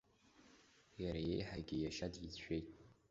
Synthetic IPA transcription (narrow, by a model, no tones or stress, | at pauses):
jaɾajejħaɡʲɪjaʃadjit͡sʰʷᶣejtʼ